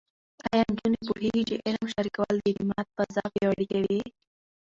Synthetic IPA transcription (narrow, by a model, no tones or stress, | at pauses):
ɑjɑnd͡ʒunepuheɡit͡ʃeʔɪlmʃaɾikawald̪əd̪imɑt̪̚pəzɑfjawaɽikawi